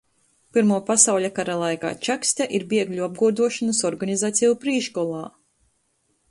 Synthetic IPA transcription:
piɾmuːpasawʎʲakaɾalˠajka̰ːt͡ʃaksʲt̪ʲaʔiɾbʲiɛɡʎʲuab̚ɡuɔd̪uɔʃanɐsɔɾɡanizaːt̪sɛjupɾiːʃkɔlˠɑː

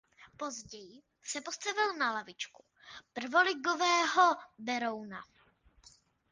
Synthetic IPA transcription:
po̞zɟɛjɪ | sɛpo̞st̪avɪlnalavɪt͡ʃku̥ | pr̩vo̞lɪɡovɛːɦobɛɾo̞wna

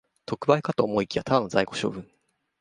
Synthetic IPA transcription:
t̪o̞kɯ̟baikat̪oːmo̞ikʲiβat̪ʰad̪ano̞zaiko̞ɕo̞̰ːbɯ̟̃ŋ

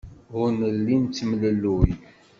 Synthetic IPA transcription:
ʊnəlːint͡s̪ːmləlːuj

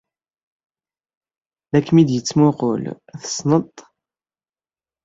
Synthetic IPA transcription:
ðækːmid̪jət͡sːmʊʁo̰l | θə̥snət̪ˤ

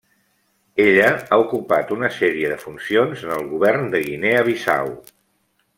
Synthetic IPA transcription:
eʎəaukupa̰t̪unəsɛɾiəðəfunsionzənəlˠɣuβɛrnd̪əɣineəβ̞isa̰w

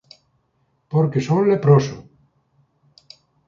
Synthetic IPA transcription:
poɾkesõnlepɾoso̰

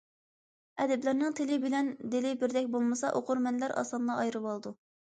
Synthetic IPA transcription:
ɛd̪ɛblæɾnɪŋt̪ʰɪlɪbɪlɛnd̪ɪlɪbɪɾd̪ɛkʲbolˠmɨsɑʔoqʰʊɾmɛnlæɾʔɑ̰ːsɑnlˠɑɑjɾɨwɑlˠd̪u

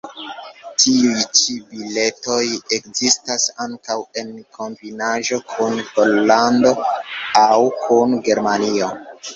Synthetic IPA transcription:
tiujjt͡ʃibile̞to̞jekzistasaŋkawe̞nkʰo̞mbinaʒo̞kʰunhollando̞awkʰunɡe̞ɾmanio

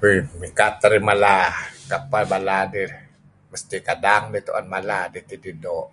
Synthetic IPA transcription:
imikat̪ːaɾimalakapalbaladi | məst̪ikadaŋdit̪o̰ʔanmaladit̪ididoʔ

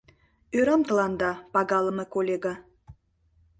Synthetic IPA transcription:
øɾəmt̪ə̆lɑnd̪ɑpɑɣɑləmekolʲeɡɑ

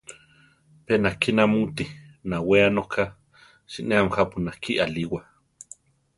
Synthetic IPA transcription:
penakinamut̪inaweanokʰa | ʃiʔneamxapunakʰiʔaliwa

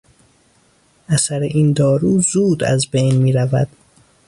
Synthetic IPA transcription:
ʔæsæɾeʔiːnd̪ɒːɾuːzuːd̪æ̰zbejnmiːɾævæ̰d̪̥

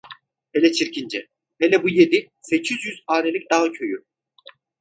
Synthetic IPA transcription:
elʲɛt͡ʃʰiɾcind͡ʒɛ | helʲɛbuje̞d̪i | se̞cʰyzjyzaːnelʲic̚d̪aɦacʰø̞jy

